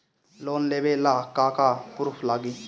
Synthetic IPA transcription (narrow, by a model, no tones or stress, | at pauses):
lonlebelakakapuɾpʰlaɡi